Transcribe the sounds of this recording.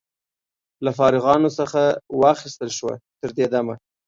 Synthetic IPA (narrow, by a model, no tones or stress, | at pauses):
lafɑɾɪɣɑnosəxawɑxɪst̪əlʃwa̰t̪əɾd̪ed̪ama